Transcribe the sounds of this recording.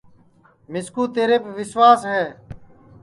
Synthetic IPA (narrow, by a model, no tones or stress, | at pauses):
mɪskuːt̪eːɾeːbʋɪsʋaːsɦɛː